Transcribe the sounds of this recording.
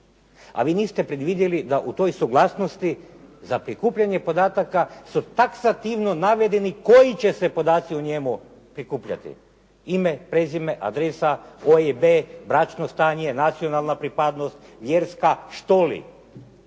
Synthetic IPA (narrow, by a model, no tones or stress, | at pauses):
a̰ʋiːniːst̪epɾed̪ʋid̪jelid̪aʔut̪o̞jsuɡlˠaːsnost̪izapɾikuːpʎaɲe̞po̞d̪aːt̪akasut̪aksat̪iʋno̞naʋe̞d̪e̞niko̞jit͡ɕe̞se̞po̞d̪aːt̪siuɲemu | pɾikuːpʎa̰t̪ḭ | imepɾezimeʔa̰d̪ɾesaoebebɾat͡ʃnost̪aːɲenat̪sijo̞nalˠnapɾipad̪no̞st̪ʋjeɾskaʃt̪olḭ